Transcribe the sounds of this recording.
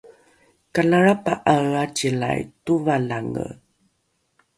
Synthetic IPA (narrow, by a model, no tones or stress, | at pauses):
kalaɭapaʔaat͡ɕila̰jtuvalaŋə̰